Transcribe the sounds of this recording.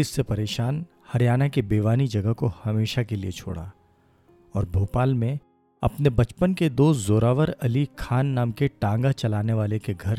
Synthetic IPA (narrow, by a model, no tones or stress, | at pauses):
ɪsːepɐɾeːʃaːn | hɐɾjaːnakebeːʋaːnid͡ʒɐɡəkohɐmeːʃakeliet͡ʃʰo̰ːɽa̰ː | ɔːɾbʱoːpaːlmẽ | ɐ̰pnebɐt͡ʃpənked̪oːszoːɾaːʋəɾɐlikʰaːnːaːmkeʈãːŋɡat͡ʃɐlaːneʋaːlekeɡʱɐɾ